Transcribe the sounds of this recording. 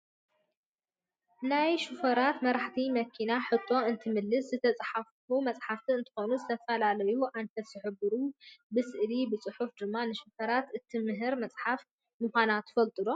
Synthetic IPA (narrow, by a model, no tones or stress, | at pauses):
najʃufɐɾat̪mɐɾaħt̪ʰimɐkʰinaħɨt̪ʼːo̞ɨnt̪ʰɨmɨlːɨszɨt̪ʰɐt͡sʼħaffumɐt͡sʼħaft̪ʰiɨnt̪ʰɨ̥xo̞nuzɨt̪ʰɐfɐlalɐjuʔanfɐt̪zɨħɨbːɨɾubɨsɨʔlibɨt͡sʼɨħufd̪ɨmːanɨʃufɐɾat̪ɨt̪ʰimɨɦɨɾmɐt͡sʼħaf | mɨxʷanat̪ːfɐlt̪ʼɨd̪o